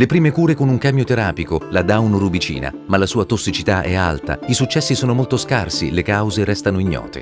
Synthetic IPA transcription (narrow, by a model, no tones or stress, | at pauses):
lepɾiːmekuːɾekonuŋkamjot̪eɾaːpikolad̪aunrubit͡ʃḭːna̰malːasuːat̪osːit͡ʃit̪aʔɛ̰a̰lt̪a̰isut͡ʃːɛsːisoːnomolt̪oskarsḭlekawzeɾɛst̪anoiɲːɔ̰ːt̪ʰḛ